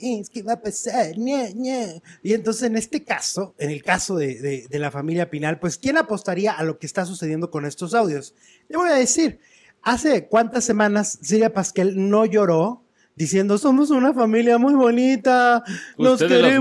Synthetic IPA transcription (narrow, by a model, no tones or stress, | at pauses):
iskinapesaneneient̪o̞nsesene̞st̪e̞kasoene̞lkaso̞ðeðeðe̞lafamiljapinalpwe̞skje̞napo̞st̪aɾiaʔalo̞keːst̪as̬use̞ðje̞nd̪oko̞ne̞st̪o̞sawðjo̞s | deβojaðe̞siɾ | ase̞kwant̪asːe̞mãnassilβjapaskelno̞ʝo̞ɾo̞ | d̪isje̞nd̪oso̞mosunafamiljamujβo̞nit̪anoskee